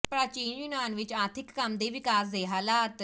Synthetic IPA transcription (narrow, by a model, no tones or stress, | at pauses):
pɾat͡ɕiːnjunanʋit͡ɕaɾt̪ʰikːamd̪eʋikasd̪eɦalat̪